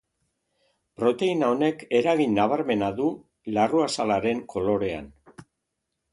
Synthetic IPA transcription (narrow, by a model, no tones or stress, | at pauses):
pɾo̞t̪e̞inao̞ne̞ke̞ɾaɣinːaβ̞aɾme̞naðu | laruasalaɾe̞ŋkʰo̞lo̞ɾe̞a̰n